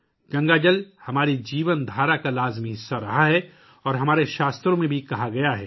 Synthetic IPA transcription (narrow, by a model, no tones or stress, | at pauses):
ɡɐ̃ŋɡad͡ʒəlhɐmaːɾid͡ʒiːʋənd̪ʱaːɾakalaːzmiɦɪsːaɾɐɦaɦɛ | ɔːɾɦɐmaːɾeʃaːst̪ɾõmẽbʱikɐɦaɡɐjaɦɛː